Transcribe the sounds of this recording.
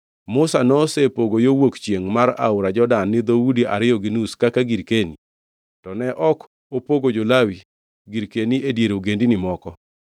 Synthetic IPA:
mʊsanɔsepoɡojowokt͡ʃjeŋmaɾa̰ʊɾad͡ʒɔdanːɪd̪owudiʔa̰ɾɪjɔɡinuskakaɡiɾkeni | tɔnɛʔɔk | opoɡod͡ʒolawi | ɡiɾkeniedjeɾoɡendinɪmɔkɔ

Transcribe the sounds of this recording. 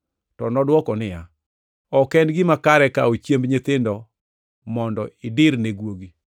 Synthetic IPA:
tɔnɔdwɔkɔnɪja | ɔkɛndɡɪmakaɾɛka̰ot͡ʃjembɲet̪ɪndɔ | mɔndɔɪdɪɾneɡwoɡi

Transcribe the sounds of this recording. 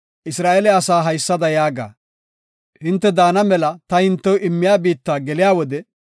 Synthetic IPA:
ʔɪsɾaːʔɛlɛɐsaːɦɐjsːɐd̪ɐjaːɡa̰ː | hɪnt̪ːɛd̪aːnɐmɛlɐt̪ɐhɪnt̪ːɛwʔɪmːɪjaːbiːt̪ːaːɡɛlɪjaːwɔd̪ɛ

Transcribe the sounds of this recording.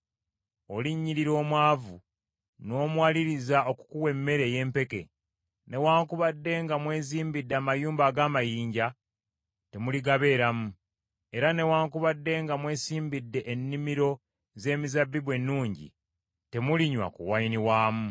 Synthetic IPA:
o̞liɲːiɾiɾo̞ːmwaːvu | no̞ːmwaːliɾizao̞ku̥kuwe̞mːe̞ɾe̞je̞ːmpe̞ke̞̰ | ne̞waːŋkuβadːe̞ŋɡamwe̞ːziːmbidːeaːmajuːmbaːɡaːmajiːɲɟa | te̞muliɡaβe̞ːɾamu | e̞ɾane̞waːŋkuβadːe̞ŋɡamwe̞ːsiːmbidːe̞ʔenːimiɾo̞ | ze̞ːmizabːiβwe̞nːuːɲɟḭ | te̞muliɲwa̰kṵwainiwaːmu

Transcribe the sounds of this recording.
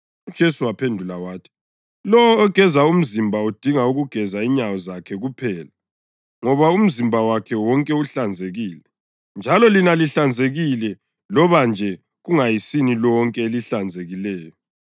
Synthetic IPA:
ud̥ʒ̥ʱesuwapʰendʱulawaːtʰi̥ | lɔwɔːɡ̥ʱɛzaum̩zimbʱaud̥ʱiŋauɣuɡ̥ʱɛzaiɲawɔzakʰɛɣupʰɛːla | ŋɔβaum̩zimbʱawakʰɛwɔŋkʼɛuɬand͡zʱeɣiːlɛ | nd͡ʒʱalɔlinaliɬand͡zʱeɣilɛ | lɔβand͡ʒʱɛ | ɣuŋajisinilɔŋkʼɛeliɬand͡zʱeɣilɛːjɔ

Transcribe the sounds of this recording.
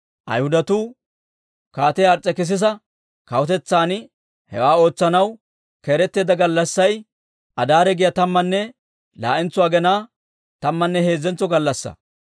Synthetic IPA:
ʔɐ̰jhʊd̪ɐt̪uː | kaːt̪ɛjɐɾt͡sʼːɛkɪs̬ɪs̬ɐ | kɐwɔt̪ɛt͡sːaːnɪ | hɛ̰waːo̞ːt͡sːɐnɐw | keːɾɛt̪ːe̞ːd̪ɐɡɐlːɐsːɐj | ʔɐd̪aːɾɛɡɪjɐt̪ɐmːɐnːɛ | la̰ːʔɪnt͡sʊwaːɡɛnaː | t̪ɐmːɐnːɛhe̞ːzːɛnt͡sːɔɡɐlːɐsːɐ̰

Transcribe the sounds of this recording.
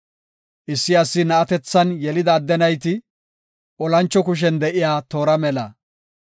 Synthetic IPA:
ʔɪsːɪɐsːɪnɐɐt̪ɛt͡sːɐnjɛlɪd̪ɐːd̪ːɛnɐjt̪̬ɪ | ʔɔlɐnt͡ʃːɔkʊʃ̬ɛnd̪ɛʔɪjaːt̪o̞ːɾɐmɛlɐ̰

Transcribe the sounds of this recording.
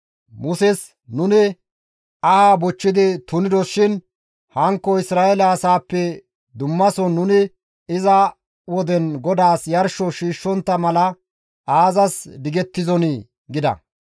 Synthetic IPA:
mʊsɛs | nʊnɪ | aːbɔt͡ʃːɪd̪ɪt̪ʊnɪd̪ɔʃɪn | hɐŋkːɔɪsɾaːɛlɐːsaːpːɛ | d̪ʊmːɐsɔnːʊnɪ | ɪzɐ | wɔd̪ɛnɡɔd̪aːsjɐɾʃɔʃiːʃːɔnt̪ːɐmɐlɐ | ʔaːzɐsd̪ɪɡɛt̪ːɪzɔnɪ | ɡɪd̪ɐ̰

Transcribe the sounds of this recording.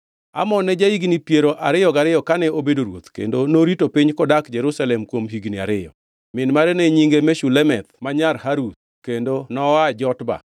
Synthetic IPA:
a̰mɔnːɛd͡ʒaiɡnipjeɾoʔa̰ɾɪjɔɡaɾɪjɔkanɛobedoɾwo̰t̪kḛndonoɾitopiɲkɔdakd͡ʒɛɾusalɛmkwomɦiɡnia̰ɾɪjɔ | mɪnmaɾɛnɛɲiŋɡemɛʃulɛmɛt̪maɲarhaɾut̪̚ | kendonɔad͡ʒɔtba̰

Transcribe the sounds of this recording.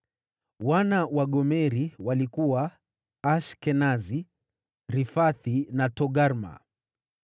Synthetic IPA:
wanawaɠɔmɛɾiwalikuwa | aʃkɛnazi | ɾifaθinatɔɠaɾma̰

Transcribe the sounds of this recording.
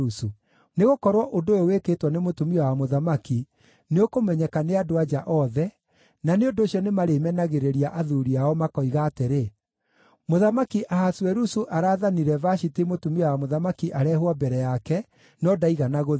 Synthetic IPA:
usu | neɣokɔɾwɔʔondooweketwanemotumiawamoðamaki | neokomɛɲɛkaneadoad͡ʒaʔɔðɛ | naneondoːɕijɔnemaɾemɛnaɣeɾeɾiaʔaðuɾiaɔmakɔiɣaːteɾe | moðamakiʔaɦaswɛɾusuʔaɾaːðaniɾɛvaɕitemotumiawamoðamakiʔaɾɛːɦwabɛɾɛjakɛ | nɔdaiɣanaɣo

